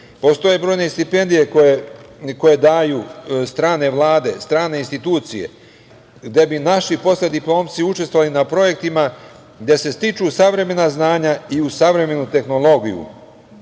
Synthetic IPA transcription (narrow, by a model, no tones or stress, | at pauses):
po̞st̪o̞jebɾo̞ːjne̞st̪ipe̞nd̪ije̞koeko̞je̞d̪aːjuːst̪ɾaːne̞ʋlˠaːd̪e̞st̪ɾaːne̞inst̪it̪uːt̪sije̞̰ | ɡd̪e̞binaʃipo̞slʲed̪iplˠo̞ːmt̪siut͡ʃest̪ʋoʋalinapɾo̞je̞k̚t̪ima | ɡd̪je̞se̞st̪it͡ʃuːsaʋɾe̞me̞naznaːɲaiusaʋɾe̞me̞nut̪e̞xno̞lˠo̞ɡijṵ